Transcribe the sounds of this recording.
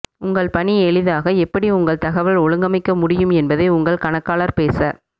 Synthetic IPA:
ʊŋɡɐɭpɐniɛɭɪðaːɣɐɛpːɐɽiʊŋɡɐɭt̪ɐɣɐʋɐɭɔɭɯŋɡɐmɐɪkːɐmʊɽɪjɯmɛnbɐðɐɪʊŋɡɐɭkɐɳɐkːaːlɐɾpeːsɐ

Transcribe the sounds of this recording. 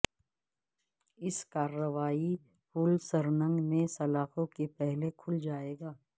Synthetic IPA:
ɪskaːɾːəʋaːi | fʊːlsɐɾnə̃ŋɡmẽsɐlaːxõkepɛɦlekʰʊld͡ʒaːeːɡaː

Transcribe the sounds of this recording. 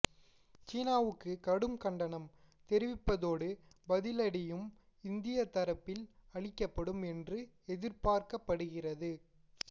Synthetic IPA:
t͡ʃiːnaːʋɯkːɯkɐɽɯmkɐɳɖɐnɐm | t̪ɛɾɪʋɪpːɐðoːɽɯ | bɐðɪlɐɽɪjɯm | ɪnd̪ɪjɐt̪ɐɾɐpːɪlɐɭɪkːɐpːɐɽɯmɛndrɯɛðɪɾpaːɾkɐpːɐɽɯɣɪrɐðɯ

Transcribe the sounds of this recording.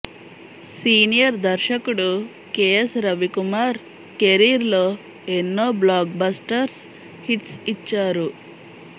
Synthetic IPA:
siːnijɐɾd̪ɐɾʃɐkuɽu | keːesɾɐʋikumaːɾ | keɾiːɾloː | enːoːblaːk̚basʈɐɾs | hiʈ̪sit͡ʃːaːɾu

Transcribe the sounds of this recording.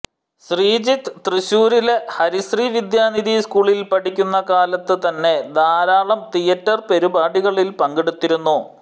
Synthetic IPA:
ɕriːd͡ʑit̪ːt̪rɨɕuːɾilehɐɾisriːʋid̪jaːniðiskuːɭilpɐʈikʲːunːɐkaːlɐt̪ːɨt̪ɐnːe̞d̪aːɾaːɭɐmt̪ijɐtːɐrpe̞ɾubaːɽiɣɐɭilpɐŋɡiɽut̪ːiɾunːu

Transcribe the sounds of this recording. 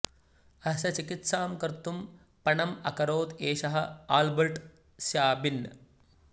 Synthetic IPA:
ɐsɐt͡ʃikit̪saːmkɐɾt̪um | pɐɳɐmɐkɐɾoːt̪eːʃɐɦɐ̰aːlbɐɾʈ | sjaːbinɐ

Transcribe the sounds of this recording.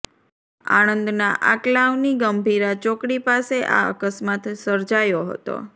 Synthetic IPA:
a̰ɽ̃ənd̪naʔaklaʋniɡəmbʱiɾat͡ʃokɽipaseʔa̰ə̰kəsmat̪səɾd͡ʒajoɦə̰t̪o̰

